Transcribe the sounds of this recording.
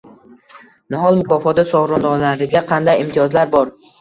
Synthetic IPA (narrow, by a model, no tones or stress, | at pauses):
nʊɦɒlˠmʊkɒfɒt̪asɒʁɾɒnd̪ɒlaɾɪɡʲaqʰɑnd̪ajɪmt̪ʰijɒzlaɾbɒɾ